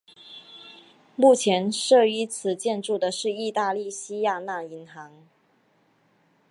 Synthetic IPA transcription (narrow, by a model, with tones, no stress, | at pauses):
mu˥˩t͡ɕʰjɛ˧˥nʂɤ˥˩y˥˩t͡sʰɹ̩˨˩t͡ɕjɛ˥˧nʈ͡ʂu˥˩d̪ə˩ʂɻ̩˥˧i˥˧t̪a˥˧li˥˩ɕi˥ja˥˧na˥˩i˧˥ŋxɑ˧˥ŋ